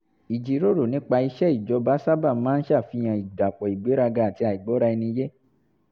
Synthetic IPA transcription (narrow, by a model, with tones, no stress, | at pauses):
i˨d͡ʒi˨ɾo˦ɾo˨nĩ˦k͡pa˧i˧ʃɛ˦i˦˨d͡ʒɔ˧˦ba˨˦sa˦ba˦˨˦mãː˦n̩˦ʃa˦˨fi˧j̃ã˧i˨da˨k͡pɔ˨i˨ɡ͡be˨˦ɾa˧ɡa˧˨a˨ti˧a˨i˨ɡ͡bɔ˨˦ɾa˧i˧nĩ˧˦je˦